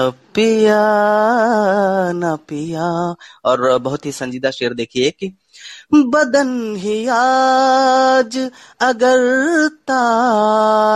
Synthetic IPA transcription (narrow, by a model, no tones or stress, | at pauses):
pija | napijaɔːɾbɐɦʊt̪ɦisɐ̃ɲd͡ʒiːd̪aʃeːɾd̪eːkʰieki | bɐd̪ənɦijaː | d͡ʒɐɡəɾt̪a